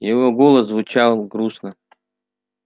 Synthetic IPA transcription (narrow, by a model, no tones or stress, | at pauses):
jɪvoɡolˠəzːvʊt͡ɕalˠɡɾusnə